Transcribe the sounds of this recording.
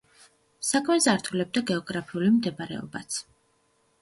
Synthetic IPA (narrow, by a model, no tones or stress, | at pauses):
sakʰmɛzaɾt̪ʰulɛb̚d̪aɡɛɔɡɾapʰiulimd̪ɛbɾɛ̰ɔ̰bat̪sʰ